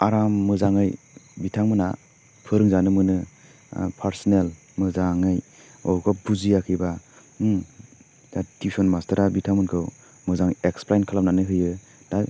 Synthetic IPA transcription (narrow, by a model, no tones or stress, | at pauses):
aɾamːɯzaŋɯj | bitʰaŋmɯna | pʰɯɾɯŋzanɯmɯnɯ̰ | pʰaɾsɔnel | mɯzaŋɯj | ɔkʰɔbuzijakʰɯjba | datʰisɔnmastaɾabitʰaŋmɯnkʰɯw | mɯzaŋeksplajnkʰalapnanɯɦɯjɯ | d̥a